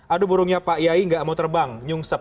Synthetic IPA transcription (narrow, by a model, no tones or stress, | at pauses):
ʔadubuɾʊŋɲapaʔjaiŋɡaʔmaut̪ərbaŋɲuŋsəp